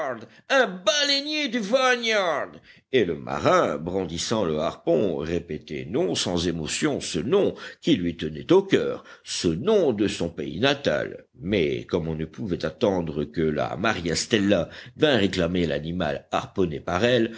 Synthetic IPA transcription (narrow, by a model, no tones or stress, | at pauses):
d̪ | ɛ̃balenjed̪yvaɲjaʁd̪ | eləmʔa̰ʁɛ̃bʁɑ̃d̪isɑ̃ləaʁpɔ̃ʁepet̪ɛ̰nɔ̃sɑ̃zemɔsjɔ̃sənɔ̃kʲilɥit̪ənɛt̪okʲœ̰ʁsənɔ̃d̪əsɔ̃peḭnat̪a̰l | mɛ̰kɔmɔ̃nəpuvɛt̪at̪ɑ̃d̪ʁəkəla̰maʁjɛst̪ɛlːavɛ̃ʁeklamela̰nima̰laʁpɔnepaʁɛl